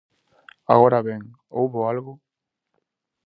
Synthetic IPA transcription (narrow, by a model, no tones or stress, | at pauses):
a̰ɣoɾaβeŋ | owβoalɣu